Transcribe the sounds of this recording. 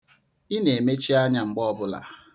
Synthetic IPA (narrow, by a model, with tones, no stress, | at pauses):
i˦ne˨e˨me˦t͡ʃi˦a˦ɲa˨ŋ͡m̩˨ɡ͡bɔ˦bʊ˦la̰˨